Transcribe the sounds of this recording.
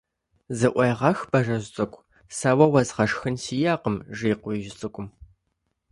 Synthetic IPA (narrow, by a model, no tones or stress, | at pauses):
zɨʔʷɐjʁɐxb̥ɐʒɐʒʷt͡sʼɨkʷʼ | sawɐwɐzʁɐʂxɨnsiːjaːqəmʒiːqʷʊʒɪt͡sʼɨkʷʼʊm